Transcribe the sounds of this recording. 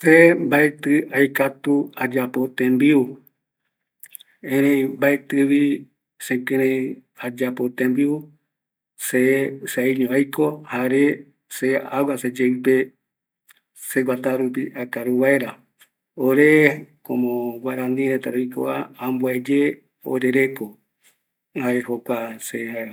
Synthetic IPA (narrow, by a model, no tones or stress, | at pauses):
sembaet̪ɨajkat̪uad͡ʒapot̪ẽmbiu | ẽɾẽmbaet̪ɨβi | sẽkɨ̃ɾẽad͡ʒapot̪ẽmbiu | seseiɲõajkohaɾe | seawased͡ʒeipe | seɡʷat̪aɾup̬iʔakaɾuβaeɾa | oɾekõmõɡʷaeɾãnd̪ĩɾet̪aɾojko̰aãmbued͡ʒe | o̰ɾeɾeko | haehokʷasea